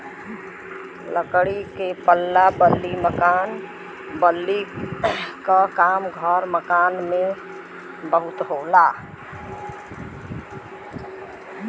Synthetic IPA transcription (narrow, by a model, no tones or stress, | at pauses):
ləkɽikepəlːabəlːiməkan | bəlːi | kəkamɡʱəɾməkanme | bəɦut̪ɦola